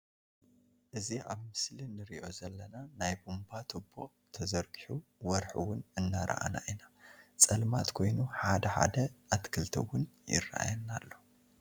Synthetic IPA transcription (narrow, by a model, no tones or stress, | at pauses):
ʔɨziʔa̰βmɨslinɨɾḭʔo̞zɐlːɐnanajbumbat̪ʰobːo̰ʔ | t̪ʰɐzɐɾkʼħuwɔɾħɨwʊnɨnːaɾʔa̰ʔa̰na̰ʔinat͡sʼɐlmat̪kʰo̞jnuħad̪ɐħa̰d̪ɐat̪kʰɨlt̪ʰɐ̰wʊnjɪ̰raʔa̰jɐnːalːo̞